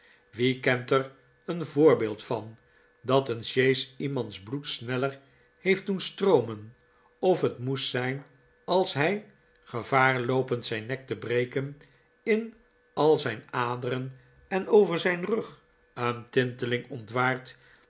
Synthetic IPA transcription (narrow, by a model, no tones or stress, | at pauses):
ʋikɛntər | ənvʊːɹbɪːlˠtfɑn | dɑtənʃejsimɑntzblutsnɛlər | hejft̚dunstrowmən | ɔfɦətmussɛjn | ɑlˠsɦɛj | χəvaːɹlowpəntsɛjnːɛk̚təbrejkən | ɪn | ɑlˠzɛjnaːdəɾən | ɛnowvəɹzɛjnrɵχ | əntɪntəlɪŋɔntʋaːɹt